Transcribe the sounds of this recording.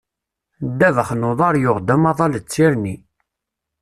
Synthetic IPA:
d̪ːævəχnoðˤɑɾˤjʊʁd̪æmɑðˤɑlt͡sːiɾni

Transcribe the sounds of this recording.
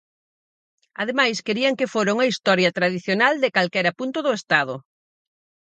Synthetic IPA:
að̞emajskeɾiɐŋkɪfoɾoŋɐist̪ɔɾjɐt̪ɾaðiθjonald̪ɪkalkɛɾɐpunt̪ʊðʊest̪að̞ʊ

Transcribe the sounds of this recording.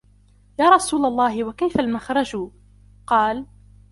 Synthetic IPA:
jaːɾˤɑsuːlalˤːɑːhɪwakajfalmaxɾˤɑd͡ʒuː | qɑːl

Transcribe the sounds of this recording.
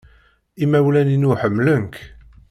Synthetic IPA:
imːæwlæninuħəmːlənk

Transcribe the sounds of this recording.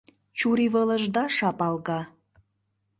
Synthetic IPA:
t͡ɕuɾiβələ̆ʒd̪ɑʃɑpɑlɣɑ

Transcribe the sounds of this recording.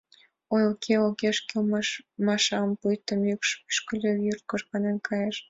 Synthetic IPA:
ojokʰeokeʃkelmmɑʃɑmpujt̪əmjykʃpy̥ʃkə̆lʲøjyrt̪̚koʒɣɑnenkʰɑjeʃ

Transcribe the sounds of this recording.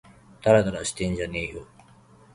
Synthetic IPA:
t̪aɾad̪aɾaɕi̥t̪ẽɲd͡ʑaneːjo

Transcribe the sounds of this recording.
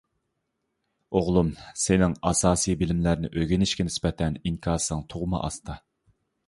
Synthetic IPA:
oʁlˠumsɪnɪŋɑsɑːsɨjbɪlɪmlæɾnɪ̰ʔøɡʲinɪʃkʲɛnɪspɛt̪ʰɛniŋkʲʰɑɾsɨŋt̪ʰoʁmɑ̰ʔɑ̰st̪ʰɑ

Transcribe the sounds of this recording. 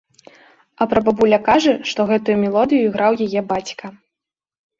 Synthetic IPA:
ɐpɾɐbɐbulʲɐkaʐɐʂt̪ɔɣɛt̪ujumʲɛlˠɔd̪ɨjuiɣɾawjajɛbat͡sʲkɐ

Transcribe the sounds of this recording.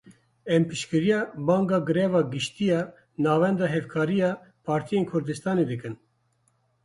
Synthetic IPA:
ɛmpɨʃkɨɾijɑːbɑːŋɡɑːɡɨɾɛːvɑːɡɨʃt̪ijɑː | nɑːvɛnd̪ɑːɦɛfkʰɑːɾijɑː | pʰɑːɾt̪ʰijeːnkʰʊɾd̪ɨst̪ɑːned̪ɨkɨn

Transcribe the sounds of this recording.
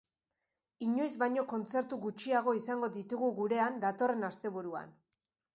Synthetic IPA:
iɲo̞jzβajɲo̞ko̞nt͡se̞ɾt̪uɣut͡ʃiaɣ̞o̞isaŋɡo̞ðit̪uɣuɣuɾe̞and̪at̪o̞re̞nast̪e̞βuɾua̰n

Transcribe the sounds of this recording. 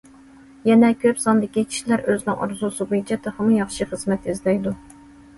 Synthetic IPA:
jɛnɛkʲʰøpsɑnd̪ɪkʲit͡ʃʲʰi̥ʃlæɾøznɪŋʔɑ̰ɾzusɨbojit͡ʃʰɛt̪ʰɑχəmujɑχʃiχəz̥mɛt̪izlɛjd̪u

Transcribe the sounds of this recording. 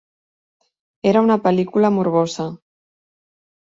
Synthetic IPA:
eɾaunapelikulamuɾβosa

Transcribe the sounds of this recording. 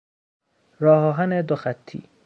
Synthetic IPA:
ɾɒːɦɒːɦæned̪oxæt̪ʰːḭː

